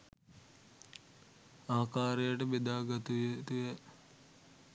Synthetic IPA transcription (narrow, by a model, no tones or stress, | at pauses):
aːkaːɾejəʈəbed̪aːɡɐt̪uet̪ujə